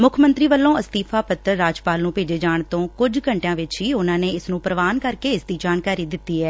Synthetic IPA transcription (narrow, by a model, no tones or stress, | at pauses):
mʊkʰmə̃nt̪ɾiːʋəlːõːəst̪iːpʰaːpət̪əɾːaːd͡ʒpaːlnũːpeːd͡ʒeːd͡ʒaːɳt̪õːkʊd͡ʒkəɳʈjãːʋɪt͡ʃɦiːʊnãːneːɪsnũːpɾəʋaːnkəɾkeːɪsd̪iːd͡ʒaːnkaːɾiːd̪ɪt̪ːiːɦɛː